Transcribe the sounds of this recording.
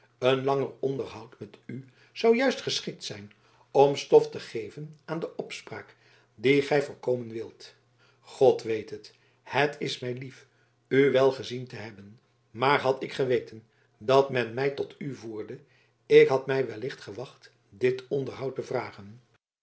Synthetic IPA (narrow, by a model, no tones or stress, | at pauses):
ənlɑŋərɔndəɹɦɑwtmɛty | z̥ɑwjœɥstχəsχɪk̚tsɛjn | ɔmstɔftəχejvənaːndəʔɔpspra̰ːk | diχɛjvʊːɹkowmənʋɪlˠt | χɔtʋejtɦət | hətʰɪsmɛjlif | yʋɛlˠχəzintəɦɛbən | maːɹɦɑtɪkχəʋejtən | dɑtmɛnmɛjtɔtʰyvuːɹdə | ɪkɦɑtmɛjʋɛlɪχtχəʋɑχt | dɪtɔndəɹɦɑwtəvraːχən